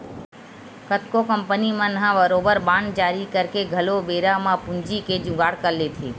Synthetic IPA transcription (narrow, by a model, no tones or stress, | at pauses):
kət̪kokəmpənimãːnəɦãʋəɾobəɾbãːɳɖd͡ʒaːɾikəɾkeɡʱəlobeːɾamãpʊ̃nd͡ʒiked͡ʒʊ̃ɡaːɽkəlet̪ʰḛː